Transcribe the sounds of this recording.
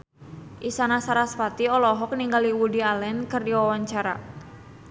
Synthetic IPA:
ʔisanasaɾaspat̪iɔlɔɦɔk̚niŋɡaliwudialɛnkɨrdiwawaɲt͡ʃaɾa̰

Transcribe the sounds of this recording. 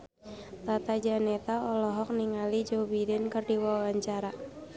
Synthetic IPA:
t̪at̪ad͡ʒanɛt̪aɔlɔɦɔk̚niŋalid͡ʒobidɛnkərdiwawaɲt͡ʃaɾa

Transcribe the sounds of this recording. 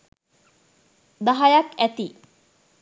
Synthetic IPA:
d̪ɐɦɐjɐkæt̪i

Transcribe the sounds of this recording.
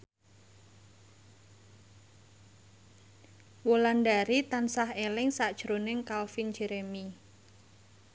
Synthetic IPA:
wolandaɾit̪ansahelɪŋsaʔd̥ʒ̥ɾonɪŋkalfind͡ʒeɾemi

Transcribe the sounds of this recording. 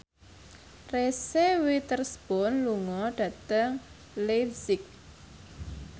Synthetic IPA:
resewit̪ərsb̥ɔnluŋɔɖ̥ä̤t̪əŋ | lefsɪk̚

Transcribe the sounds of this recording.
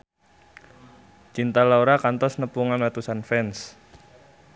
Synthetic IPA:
t͡ʃint̪alaoɾakant̪ɔsnəpuŋanlat̪usanfɛns

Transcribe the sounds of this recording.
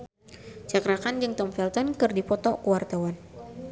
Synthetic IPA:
t͡ʃakɾakand͡ʒɨŋt̪ɔmfɛlt̪ɔnkɨrdipɔt̪ɔkuwart̪awan

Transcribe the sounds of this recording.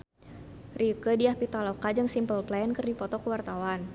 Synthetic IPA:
rikədiahpit̪alokad͡ʒɨŋsimpəlplankɨrdipɔt̪ɔkəwart̪awan

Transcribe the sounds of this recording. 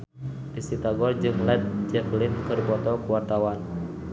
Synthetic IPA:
disit̪aɡɔrd͡ʒɨŋlɛt̪̚d͡ʒɛflinkɨrbɔt̪ɔkuwart̪awan

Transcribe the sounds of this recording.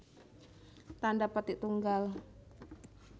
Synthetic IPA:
t̪andapət̪iʔt̪uŋɡal

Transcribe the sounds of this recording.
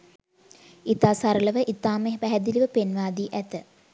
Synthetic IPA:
it̪aːsaɾələʋəʔit̪aːmeɦʋæɦɛd̪iliʋəpenʋaːd̪iːʔæt̪ə

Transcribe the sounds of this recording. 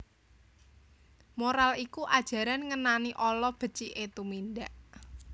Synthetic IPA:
moɾalikuʔad̥ʒ̥ä̤ɾanŋənaniʔɔlɔb̥ə̤t͡ʃiʔet̪uminɖaʔ

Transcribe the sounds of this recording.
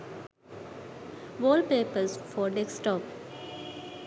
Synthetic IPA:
ʋɔːlpeːpəɾsfɔːɾɖeksʈɔːp

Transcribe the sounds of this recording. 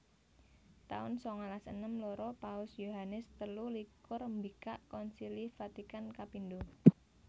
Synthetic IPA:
t̪a̰ʊ̰nsɔŋalasənəmlɔɾɔpaʊsjoɦanɪst̪əlulikʊrmbikaʔkɔnsilifat̪ikankapind̪o

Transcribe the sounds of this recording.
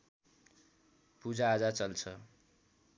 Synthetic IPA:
pud͡zaːd͡zat͡sʌlt͡sʰʌ

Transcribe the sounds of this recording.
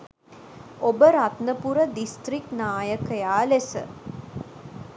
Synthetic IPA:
obəɾat̪nəpuɾəd̪ist̪riknaːjəkəjaːlesə̰

